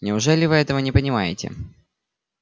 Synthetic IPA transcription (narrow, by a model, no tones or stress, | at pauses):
nʲɪʊʐɛlʲɪvɨɛt̪əvənʲɪpənʲɪma̰jɪ̰tʲɪ̰